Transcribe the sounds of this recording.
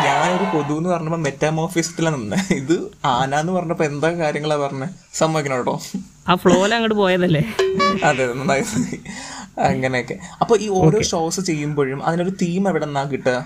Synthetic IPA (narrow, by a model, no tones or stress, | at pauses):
ɲaːno̞ɾupo̞ðuenːɨpɐrɐɲːɐpːometːaːmo̞ːfiːsɐ̥tːilanɐnːɨiðɨaːnaːenːɨpɐrɐɲːmɐpːoːend̪aːkaːɾjɐŋːɐɭapɐrɐɲːɨ | sɐmːɐʋikʲːɐnoːuɽo̰ː | aːfɭoːlɐŋːɐɽɨpo̞ːjɐðɐlːeːɐðenːɐnːa | ɐŋːɐne̞jokːe̞ɐpːo̞ːiːo̞ːɾo̞ːʂoːsɨt͡ɕe̞jːumbo̞ːɻumɐ̰ðino̞ɾut̪iːmɐʋiɽenːaːkːiʈːɨ